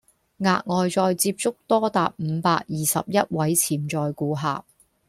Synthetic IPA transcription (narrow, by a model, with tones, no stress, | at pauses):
ŋaː˧k̚ŋɔː˨˧jt͡sɔː˧jt͡siː˧p̚t͡sʊ˥k̚t̪ɔː˥t̪aː˨p̚m̩˨˧paː˧k̚jiː˨sɐ̰˨p̚jɐ˥t̚wɐ˨˥jt͡sʰiː˨˩mt͡ʃɔː˧jkuː˧ɦa̰ː˨p̚